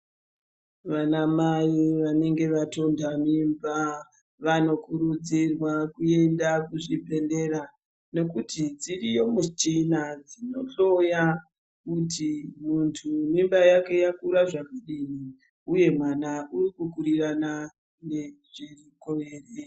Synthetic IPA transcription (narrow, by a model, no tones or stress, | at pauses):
ʋanamajiʋane̞ŋɡe̞ʋato̞ndamimba | ʋano̞kuɾud͡zirwakue̞ndakuʐibʱe̞nde̞ɾa | ne̞kutid͡zirijo̞mut͡ʃinad͡zino̞ɬo̞ja | kutimuntʰumimbajake̞jakuɾaʐakaɗini | uje̞mwanaurikukuɾirana | neʐirikoʋeːre